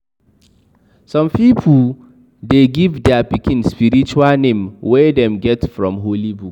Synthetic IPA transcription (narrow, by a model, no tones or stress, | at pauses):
sɔ̃mpipʰu | deɡivdɛapikĩnspiɹit͡ʃualnẽmwɛdɛ̃mɡɛtfɹɔ̰̃mɦolibuk